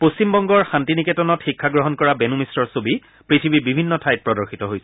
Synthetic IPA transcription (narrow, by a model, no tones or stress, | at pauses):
post͡ɕimbɔŋɡɔɹxantiniketɔnɔtxikʰːaɡɹɔɦɔnkɔɹabɛnumisɹɔɹsobi | pɹitʰibibibʱinːɔtʰajt̚pɹɔdɔɹxitɔɦojsɛ